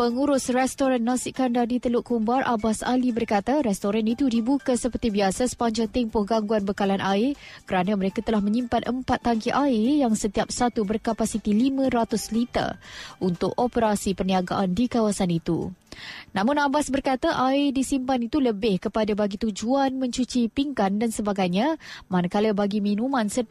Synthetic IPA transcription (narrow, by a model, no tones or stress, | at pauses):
pəŋuɾʊsrɛst̪oɾanːasiʔkandadit̪əlʊʔkumbarʔa̰basa̰libərkat̪aɾɛst̪oɾanit̪udibukasəpərt̪ibiasasə̥paɲd͡ʒaŋt̪empʊhɡaŋɡuanbəkalanʔaɪkəɾanãməɾekat̪əlahmə̃ɲimpanʔəmpat̪ːaŋkiʔaɪjaŋsət̪iap̚sat̪ubərkapasit̪ilimãɾat̪ʊslit̪ə̰ʔunt̪ʊkopəɾasipərniaɡaʔandikawasanit̪ṵ | nãmʊ̃nabasbərkat̪aʔaɪdisimpanit̪uləbɪhkəpadabaɡit̪ud͡ʒuanmə̃ɲt͡ʃut͡ʃipiŋkandansəbaɡajɲamanakaləbaɡimĩnũmãnsə